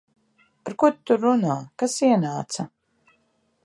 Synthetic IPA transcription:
paɾkut̪t̪ːuɾunaːkasiɛnaːt̪sa

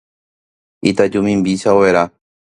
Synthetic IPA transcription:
it̪ad͡ʒumĩmbiʃaoʋeɾa

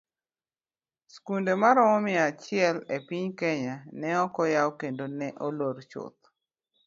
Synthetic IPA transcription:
skundemaɾɔmɔmɪat͡ʃɪɛlepiɲkɛɲanɛɔkɔjawkendonɛʔoloɾt͡ʃʊ̰t̪̚

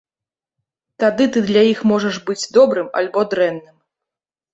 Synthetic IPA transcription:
t̪ad̪ɨt̪ɨd̪lʲajixmɔʐɐʐbɨd͡zʲd̪ɔbɾɨma̰lʲbɔd̪ɾɛnːɨm

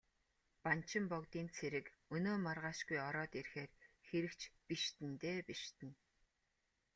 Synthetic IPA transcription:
pan̥t͡ɕʰɪ̆mpɔkt̪iːnt͡sʰeɾɘ̆k | ɵnoːmarʁaːʃɡujɔɾɔːt̪irxeːrxeɾɘ̆kt͡ɕʰpiʃt̪ɘ̆nt̪eːpiʃt̪ɘ̆n

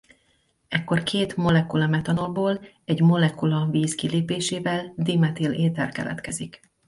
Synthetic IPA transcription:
ɛkːo̞rkʰeːt̪mo̞lɛkulɒmɛt̪ɒno̞lboːl | ɛɟmo̞lɛkulɒviːskileːpeːʃeːvɛld̪imɛt̪ileːt̪ɛrkɛ̰lɛ̰t̪kɛzik

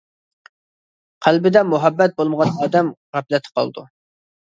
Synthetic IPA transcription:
qʰælbɪd̪ɛmuɦɛbːɛt̪̚bolˠməʁɑnɑːd̪ɛmʁæplɛt̪ʰɪ̥qʰɑ̰lˠd̪u

